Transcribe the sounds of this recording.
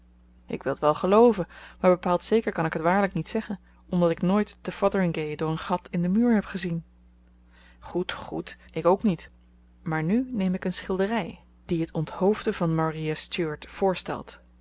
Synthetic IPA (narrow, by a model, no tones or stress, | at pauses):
ʔɪ̰kʋɪlˠətʋɛlˠχəlowvənmaːɹbəpaːlˠtsejkəɹkɑnɪkɦətʋaːɹləknitsɛχən | ɔmdɑtɪknoːjtd̥əfɑdəɹɪŋɡejdʊːɹənχɑtʰɪndəmyːɹɦɛpχəzin | χutχutʔɪkowknit | maːɹnynejmɪkənsχɪlˠdərɛj | d̥iɦətɔnthowvdəvɑnmariastuɹtfʊːɹstɛ̰lˠt